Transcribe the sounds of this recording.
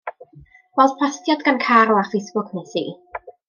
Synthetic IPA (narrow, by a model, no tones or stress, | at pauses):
wɛlˠd̥pʰl̥astʰjadɡankʰaɾɔarfejsb̥ʊkʰnesḭː